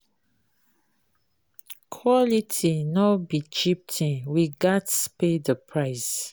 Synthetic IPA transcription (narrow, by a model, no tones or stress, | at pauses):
kʰwɔlitʰinɔbit͡ʃip̚tʰĩnwiɡatspedəpʰɹaɪs